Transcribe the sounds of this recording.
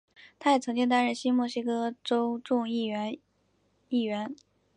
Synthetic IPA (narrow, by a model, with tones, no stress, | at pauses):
t̪ʰa˥jɛ˨˩t͡sʰɤ˧˥ŋt͡ɕi˥˧ŋt̪̬a˥nɻə˥˩nɕi˥mwɔ˥˩ɕi˥kɤ˥ʈ͡ʂo˥ʊʈ͡ʂʊ˥˧ŋi˥˩˧ | i˥˩ɥɛ˧˥n